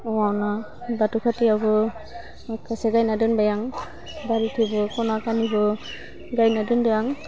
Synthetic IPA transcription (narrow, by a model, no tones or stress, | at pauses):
wawna | batukʰatiawbɔ | akʰaseɡajnadɯnbajaŋ | baɾitʰibɔkɔnakanibɔ | ɡajnadɯndɯjaŋ